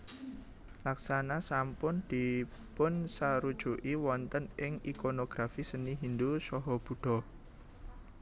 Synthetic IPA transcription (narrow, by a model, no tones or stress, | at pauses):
laksanasampʊnd̪̥i̤ | pʊnsaɾud̥ʒ̥uʔiwɔnt̪ənɪŋikonoɡ̥ɾafisəniɦind̪usɔɦɔb̥ṳɖ̥ɔ̤